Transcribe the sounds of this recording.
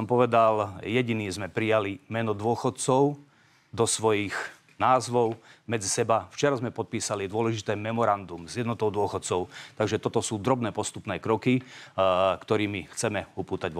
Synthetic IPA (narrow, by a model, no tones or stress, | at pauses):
ɔmpɔʋɛd̪aljɛɟiniːzmɛpɾijalimɛnɔd̪ʊɔxɔt̪̚t͡sɔʊ | d̪ɔsʋɔjiɣ | naːzʋɔʊmɛd͡zisɛbaft͡ʃɛɾazmɛpɔt̪̚piːsalid̪ʊɔlɛʒit̪ɛːmɛmɔɾand̪umzjɛd̪nɔt̪ɔʊd̪ʊɔxɔt̪̚t͡sɔʊt̪aɡʒɛt̪ɔt̪ɔsuːd̪ɾɔbnɛːpɔst̪upnɛːkɾɔki | kt̪ɔɾiːmixt͡sɛmɛupuːt̪aɟʋ